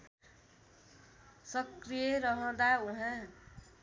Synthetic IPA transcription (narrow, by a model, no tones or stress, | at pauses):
sʌkrijeɾʌɦʌ̃d̪auɦã